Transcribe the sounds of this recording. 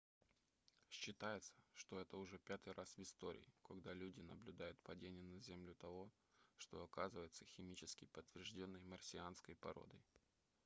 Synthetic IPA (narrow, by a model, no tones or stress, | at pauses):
ɕːɪt̪ajɪt̪sə̥ʂt̪o̞ɛt̪əʊʐɛpʲat̪ɨjrʔasvɪst̪o̞ɾʲɪ̰ɪkɐɡd̪alʲudʲɪnəblʲʊd̪ajʊt̪pɐdʲenʲɪjənɐzʲemlʲʊt̪ɐvo̞ | ʂt̪o̞ɐkazɨvəjɪt̪səxʲɪmʲit͡ɕɪskʲɪjpət̪ːvʲɪrʐdʲo̞nːəjmərsʲɪanskəjpɐ̰ɾo̞̰d̪əj